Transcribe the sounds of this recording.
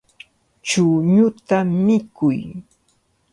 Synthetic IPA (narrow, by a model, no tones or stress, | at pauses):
t͡ʃʊɲʊt̪amːɪkʊj